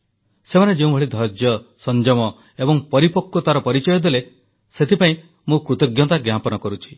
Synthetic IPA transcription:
semaned͡ʒeũbʱɔɭid̪ʱɔɾd͡ʒjɔsɔnd͡ʒɔmɔ | ebɔŋpɔɾipɔkːɔt̪aɾɔpɔɾit͡ʃɔjɔd̪ele | set̪ʰipaĩ | mũkɾut̪ɔɡjɔt̪aɡjapɔnɔkɔɾut͡ʃʰi̥

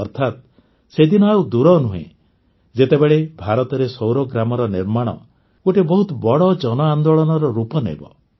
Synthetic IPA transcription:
ɔɾt̪ʰat̪̚ | sed̪inɔɦaud̪uɾɔnuɦḛ̃ | d͡ʒet̪ebeɭebʱaɾɔt̪ɔɾesowɾɔɡɾamɔɾɔniɾmaɽ̃ɔ̰ | ɡoʈebɔɦut̪ɔbɔɽɔd͡ʒɔnɔand̪oɭɔnɔɾɔɾupɔnḛbɔ̰

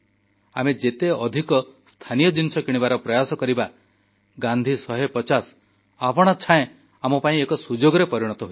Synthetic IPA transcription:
amed͡ʒet̪eɔd̪ʱikɔst̪ʰanijɔd͡ʒinisɔkiɽ̃ibaɾɔpɾɔjasɔkɔɾiba | ɡand̪ʱisɔɦepɔt͡ʃas | apɔɽ̃ɔt͡ʃʰãẽ | amɔpaĩekɔsud͡ʒoɡɔɾepɔɾiɽ̃ɔt̪ɔɦu

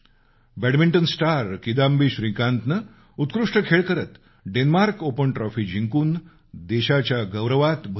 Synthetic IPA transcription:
bɛɽmiɳʈənsʈaɾkid̪ambiːɕɾĩkãnt̪nə | ut̪kɾuʂʈəkʰeɭkəɾət̪ | ɖenmaɾkopənʈɾɔfiːd͡ʑʱiŋkuːn | d̪eɕat͡ɕjaɡəwɾəʋat̪bʱ

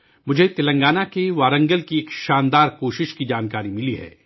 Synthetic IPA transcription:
mʊd͡ʒʱet̪ɪlɐ̃ŋɡaːnakeʋaːɾə̃ŋɡəlkieːkʃaːnd̪aːɾkoːʃɪʃkid͡ʒaːnkaːɾimɪliɦɛ̰ː

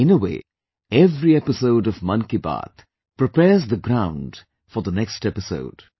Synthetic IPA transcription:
ɪ̃nəwḛː | ɛvɾiɛpɪsoʊɖɔvmʌ̃nkiba̰t̪ | pɾɪpɛːzd̪əɡɾãʊ̃nɖ | fɔɾd̪ənɛksʈɛpɪso̰ʊd̥

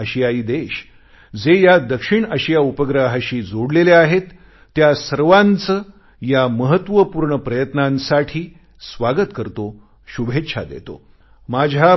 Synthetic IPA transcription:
əɕijaiːd̪eɕ | d͡zejad̪əkʂiɳəɕijaupəɡɾaɦaɕiːd͡zoɽleleaɦet̪ː | jasəɾʋant͡sə | jaməɦət̪ʋəpuɾɳəpɾəjət̪nãnsaʈʰiː | sʋaɡət̪kəɾt̪o | ɕubʱet̪ːɕʰa̰d̪ḛt̪o̰ | mad͡ʑʱa

